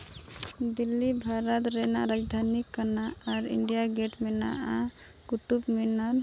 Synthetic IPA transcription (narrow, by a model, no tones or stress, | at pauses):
d̪ilːibʱaɾət̪ɾena̰ɾad͡ʒd̪ʱanikːənaaɾḭɳɖijaɡeʈmena̰a | ɡ̥uʈupmena